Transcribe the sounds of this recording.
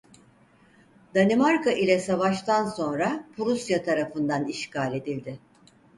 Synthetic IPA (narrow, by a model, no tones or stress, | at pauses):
d̪̥animaɾkaʔilʲɛsavaʃt̪anso̞nɾapʰuɾusjat̪ʰaɾafɯnd̪aniʃkaːlʲe̞d̪ilʲd̪ɪ